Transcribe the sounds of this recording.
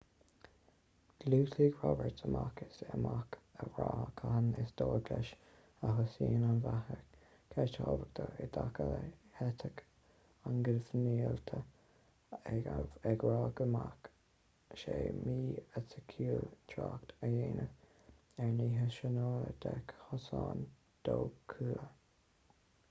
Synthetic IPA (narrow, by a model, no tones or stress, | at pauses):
ɡ̥luːsiɡɹɔbəɹtəmʔakɪsəmakʰəɹɑːkʰahənɪsd̥̪oːɡlɛʃ | aɦʊseːnanvahə | kʰɛtʰɑːvək̚t̪ʰəɪd̪akʰələhɛt̪ʰək | anɡəvniːəlt̪ʰə | ɛɡɹɑːɡəmak | ʃeːmiːəsəkʰuːlt̪ʰɾakt̪ʰəjeːnʔə | ɛɹniːɦəʃənoːəd̪ɛkhɔsɑːn | d̪̥oːkʰuːə